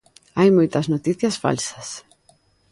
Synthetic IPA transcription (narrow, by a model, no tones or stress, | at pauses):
ɐjmoit̪ɐznot̪iθiɐsfa̰lsɐ̥s